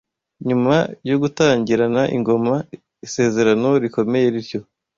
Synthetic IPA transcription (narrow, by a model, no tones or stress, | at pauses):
ɲumajoɡutaːɲɟiɾanaʔḭŋɡo̞ma | ise̞ːze̞ɾano̞ɾiko̞me̞je̞ɾiɾɟo̞